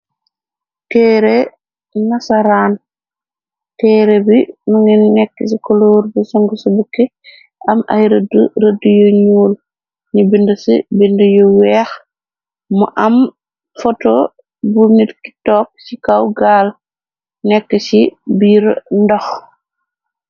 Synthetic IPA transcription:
tɛːɾe | nasaɾaːn | tɛːɾebinuŋinnɛkːɛs̬ikɔloːɾbisɔŋɡusɔbukːɛ | ʔɐmɐ̰jɾɐduɾɐdujoɲuːl | nibindɐsḭbindəjowɛːx | muʔɐm | fɔto | bunitki̥tɔːk̚sikawɡaːl | nɛkːɛsibiːɾndɔx

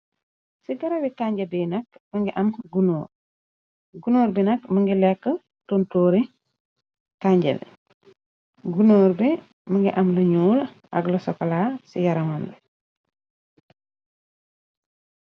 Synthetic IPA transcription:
siɡɐɾɐwitaɲɟɐbinɐkmɐŋɡiʔɐmɡunoːɾ | ɡunoːɾbinɐkmɐŋɡilɛkːə | tɔntoːɾi | kaɲɟɛ̰l | ɡunoːɾbi | mɐŋɡiʔɐmlɐɲuːl | ʔɐ̰ɡlɐsɔkɐlaːsijɐɾɐmambɛ

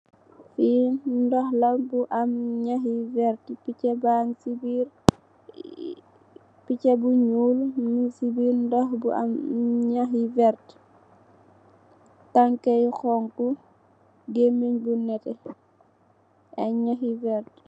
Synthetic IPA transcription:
findɔhlɐbuʔɐmɲaɦivɛɾtpicɛbaŋsibiɾ | picebuɲuːlnisibiːɾndɔhbua̰mɲaɦivɛɾt | taŋkɛjxɔŋku | ɡemiɲbunɛtɛ | aɲaxivɛɾt

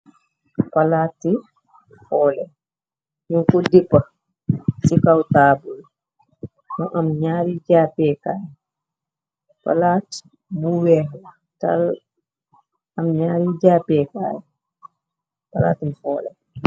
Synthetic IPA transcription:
palaːti | fɔːlɛ | juŋkɔdɛpːa | sikawtaːbul | mɔʔamɲaɾid͡ʒaːpɛkaːjɛ | pa̰lati̥ | muwɛhla | ta̰l | amɲaːɾid͡ʒapɛka̰ːjɛ | pala̰tifɔːlɛ̰

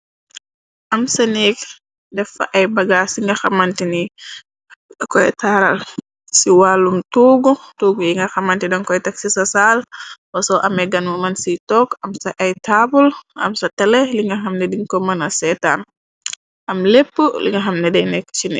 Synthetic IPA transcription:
ʔɐmsɐnɛk | dɛfɐ̰ʔɐjbɐɡasiŋɡɐxɐmɐntini | kɔjtʰaɾɐl | siwalːumtuːɡutuːɡujiŋɡɐxɐmɐntidɔnkɔjtɐksisɐsalwɐsɔʔɐmɛɡɐnmumɐnsitɔːkɐmsɐʔɐjtaːbulʔɐ̰msɐtɐlɛliŋɡɐxɐmnɛdiŋkɔmɐnɐsɛːtan | ʔɐmlepːulḭŋɡɐxɐmnɛdɛjnɛkːt͡ʃinɛ̰

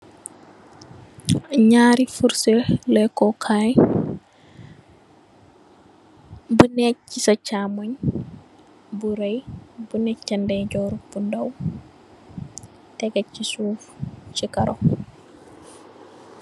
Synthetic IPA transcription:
ɲaːɾifuɾsɛlɛkɔkʰaj | bunɛt͡ʃːisat͡ʃamaɲ | buɾajbunɛt͡ʃːandɛd͡ʒɔɾubundaw | tɛɡat͡ʃːisuːft͡ʃikaɾʔɔ

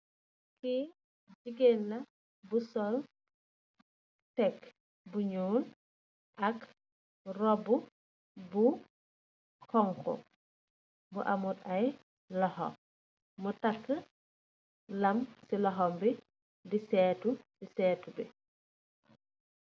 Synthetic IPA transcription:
ki | d͡ʒiɡenːɐ | busɔl | tɛk | buɲuːn | ʔɐk | rɔbu | bu | kɔŋxɔ̰ | buʔamutɐj | lɔhɔ̰m | mutakːə | lɐmsilɔɦɔmbi | disɛːtudisɛːtubi

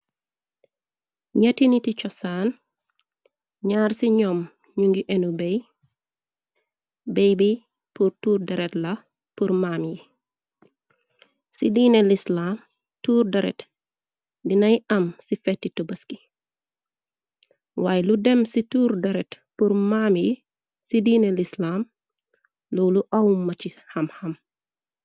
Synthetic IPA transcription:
ɲɐtinitit͡ʃɔsaːn | ɲaːɾsiɲɔm | ɲuŋɡiʔɛnubej | bɛjbi | puɾtuːɾdɐɾɛtlɐ | puɾmaːmji | sidiːnelislam | tuːɾdɐɾɛ̰t | dinɐjɐmsifɛtːitubɐski | wajludɛmsituːɾdɐɾɛt | puɾmamji | sidiːnelislaːm | lɔwluʔawmːɐt͡ʃihɐmhɐm

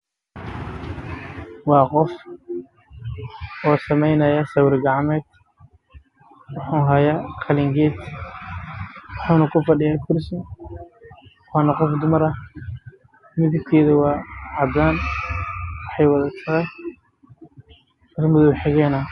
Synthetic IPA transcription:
wɑːqɔf | ʔɔːsɐmɛjnɐjɐsɐwɾɡɑʕmɛːd̪ | wɑħʊːɦɐjaːqʰɑlɪŋɡɛːt̪ | wɑħuːnɐkʰʊfɑɖɪjaːkʰʊrsɪ | wɑːnɐqɔfd̪ʊmɐɾɐ | mɪðɪbk̪ʰɛːðɐwɑːʕɑd̪aːn | wɑħɑjwɑðɐt̪ʰɐʁɛ | tɐrmʊðʊwħɪɣɛːnɐ

